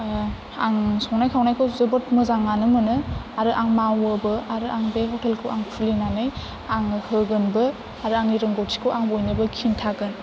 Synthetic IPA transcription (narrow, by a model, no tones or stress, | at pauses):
aŋsɔŋnajkʰawnajkʰɯwzɯbɯt̚mɯzaŋanɯmɯnɯaɾɯʔaŋmawɯbɯaɾɯʔaŋbehɔtʰelkʰɯwʔaŋpʰulinanɯj | aŋhɯɡɯnbɯ | aɾɯaŋiɾɯŋɡowtʰi̥kʰɯwʔaŋbojnɯbɯkʰintʰaɡɯn